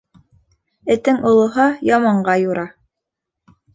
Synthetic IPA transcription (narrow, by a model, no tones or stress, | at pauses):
ɘ̆t̪ɘŋʔŏlˠŏɦɑjɑmɑɴɢɑjuɾɑ